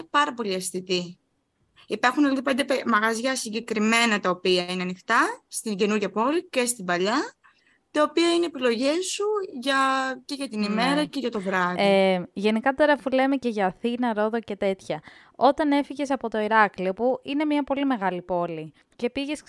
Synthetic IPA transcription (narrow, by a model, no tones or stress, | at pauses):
pɐɾɐpo̞liɐsθit̪i | ipɐɾxunoliðipnd̪eemɐɣɐzʝɐsiɲɟe̞kɾime̞nɐt̪ɐopiɐineɐnixt̪ɐst̪iɟe̞nuɾʝɐpo̞lice̞st̪ibɐʎɐ | t̪ɐo̞piɐineːpilo̞ʝe̞suʝɐce̞ʝɐt̪inime̞ɾɐce̞ʝɐt̪o̞vɾɐðiʝe̞nikɐt̪o̞ɾɐfule̞me̞ce̞ʝɐːθinɐɾo̞ðo̞ce̞t̪e̞t̪çɐ | o̞t̪ɐne̞fiʝe̞sɐpo̞t̪o̞iɾɐkliopuʔine̞mɲɐpo̞lime̞ɣɐlipo̞li | ce̞piʝe̞s